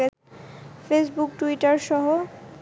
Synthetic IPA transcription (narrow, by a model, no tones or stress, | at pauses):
e | fesbukʈuiʈaɾʃɔɦo